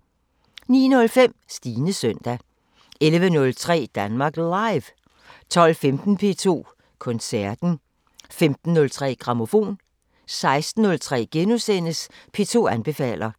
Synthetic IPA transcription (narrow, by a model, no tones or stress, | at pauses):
niːnɔ̽lfem̰sd̥iːnəsœn̰d̥æ | elʋənɔ̽lt͡sʰʁɛ̰ːd̥ænmɑ̈ːɡ̥lɑ̈ɪʋ | t͡sʰɒ̽l̰femd̥n̩pʰe̝̰ːt͡sʰo̝̰ː | kʰɔ̽nsæɐd̥n̩ | femd̥n̩ːɔ̽lt͡sʰʁɛ̰ːɡ̥ʁɑ̈mo̝fo̝̰ːn | sɑ̈ɪsd̥n̩ːɔ̽lt͡sʰʁɛ̰ːɡ̥enusenəspʰe̝ːt͡sʰo̝̰ːænb̥e̝fɛ̰ːl̰ɐ